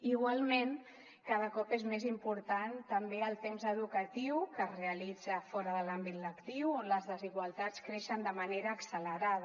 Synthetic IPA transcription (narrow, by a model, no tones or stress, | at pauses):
iɣwalˠmen | kaðəkɔpezmezimpuɾt̪ant̪əmbeəlˠt̪emzəðukət̪iwkəzreəlid͡zəfɔɾəðəlambit̪ləkt̪iwləzðəziɣwəlˠt̪at͡skɾeʃənd̪əməneɾəːksələɾað